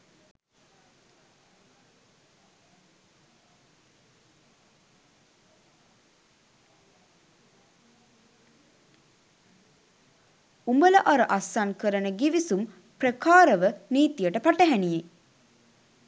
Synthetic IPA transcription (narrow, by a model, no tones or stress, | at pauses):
umbələʔaɾəʔasankəɾənəɡiʋisum | prəkaːɾəʋəniːt̪ijəʈəpaʈəɦænije